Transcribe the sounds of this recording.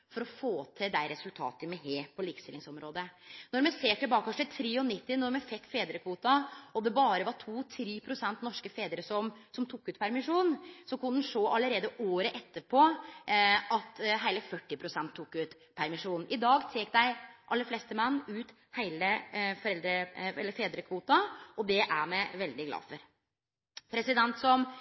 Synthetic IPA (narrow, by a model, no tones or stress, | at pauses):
fɔɾɔfoːt̪ʰɪd̪æɪɾɛsʉlt̪ʰɑ̰ːt̪əmɛɦeːpʰɔliːkə̥st̪ɪlːɪŋsɔmɾoːd̪ənɔɾmɛseːʈɪlbɑːkɔʂət̪ʰɾiːɔnɪt̪ːɪnɔɾmɛfɛkt̪ːfeːd̪ɾəkʰʋuːt̪ɑɔd̪ɛbɑːɾəʋɑʈʰuːt̪ʰɾiːpʰɾʊsɛnt̪nɔʂkəfeːd̪əɾəsɔmsɔmt̪ʰʊkːʉːt̪pʰæɾmɪʂuːnsɔkʉnd̪nʂoːʔɑlːəɾeːd̪əʔoːɾəʔɛt̪ːəpʰɔ | ʔɑt̪ɦæɪləfœʈːɪpʰɾʊsɛnt̪ʰːukːʉːt̪ | pʰæɾmɪʂuːnn̩ʔɪd̪ɑːɡt̪ʰeːk̚d̪æɪʔɑlːəɾflɛst̪əmɛnːʉːt̪ | hæɪləfɔɾɛld̪ɾəɛ̰lːəɾfeːd̪ɾəkʰʋuːt̪ɑʔɔd̪ɛʔæɾmɛʋɛld̪ɪɡlɑ̰ːfɔɾ | pʰɾɛsɪd̪ɛnt̪sɔm